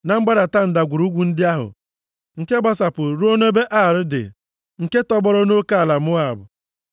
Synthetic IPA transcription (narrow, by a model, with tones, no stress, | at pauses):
na˨ŋ͡m̩˦ɡ͡ba˦ɾa˨ta˦n̩˨da˨ɡʷu˨ɾu˦ɡʷu˨n̩˦dɪ˦a˦ɦʊ̰˨ | ŋ̩˨ke˦ba˦sa˨pʊ˨ɾu˦o˦no˦be˦ʔa˦˨ɾɪ˦dɪ̰˨ | ŋ̩˨ke˦tɔ˦bɔ˦ɾɔ˦no˦ka˦a˨la˨mʊ˦a˨bʊ̰˨